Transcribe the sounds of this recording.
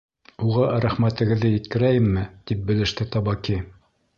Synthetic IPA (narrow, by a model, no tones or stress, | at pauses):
uʁɑɾæχmæt̪ɘ̆ɡɘ̆ðːɘjɘ̆t̪kɘ̆ɾæjɘmːɘt̪ip̚bɘ̆lɘ̆ʃt̪ɘt̪ɑbɑki